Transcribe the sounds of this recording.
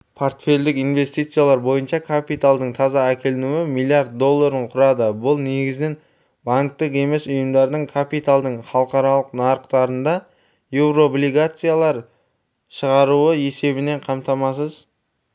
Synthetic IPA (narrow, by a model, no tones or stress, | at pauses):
pʰo̞rt̪fʲe̞ld̪ɪkijnve̞st̪ijt̪sɨjalˠɑɾbo̞jənʃɑkʰapijt̪alˠd̪əɴt̪ʰɑzɑækʲʰe̞lɪnuɪmilˠijaɾt̪̚d̪o̞lˠːaɾəɴqʰʊɾɑd̪əbʊlˠne̞ɡʲɪzɪnen | baŋk̚t̪ɪqe̞me̞sʊjəmd̪ɑɾd̪əɴkʰapit̪alˠd̪əɴχɑlˠəqɑɾɑlˠəqnɑɾəqt̪ɑɾənd̪ɑ | je̞wɾo̞blʲijɡat̪sɨjalˠɑɾ | ʃəʁɑɾuəe̞se̞bɪne̞ɴqʰɑmt̪ɑmɑs̬əz